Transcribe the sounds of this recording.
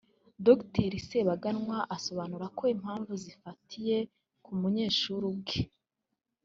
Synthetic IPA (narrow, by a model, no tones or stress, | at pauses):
dokteɾiseβaɡanŋwaʔaso̞βanuɾako̞im̥haːɱvuzifatʰije̞ | kumuɲe̞ːʃuɾub̚ɡe